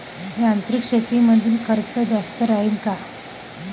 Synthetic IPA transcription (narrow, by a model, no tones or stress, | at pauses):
ɦeant̪ɾikʂet̪iməd̪ʱiːlkʰəɾt͡səd͡ʑast̪əɾaɦiːnka